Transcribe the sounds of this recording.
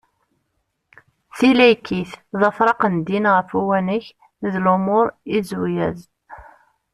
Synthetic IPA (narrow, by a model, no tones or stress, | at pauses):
θilæjkʰːiθðɑfɾˤɑqənd̪inʁəfuwænəç | ðlʊmʊɾˤizujæz